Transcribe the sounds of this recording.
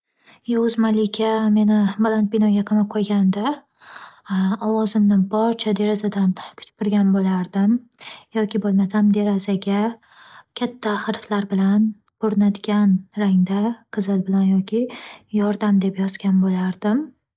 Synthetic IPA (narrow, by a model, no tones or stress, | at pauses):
jʊzmalɪkʲʰame̞nɪbalant̪̚binɒɡʲaqʰɨmaqʰojɡʲand̪a | ɒwɒzɪmnɪbɒɾt͡ʃʰad̪e̞ɾazad̪ankʲʰʊ̥t͡ʃpɪɾɡʲanbolaɾd̪ɪmjɒkʲɪbolˠmasamd̪e̞ɾazaɡʲa | kʲʰat̪ʰːaχɾflaɾbɪlan | oɾnad̪ɪɡʲanɾaŋd̪aqʰɨzɪlbɪlanjɒkʲʰɪjɒɾd̪amd̪e̞pjɒz̥ɡʲanbolaɾd̪ɪm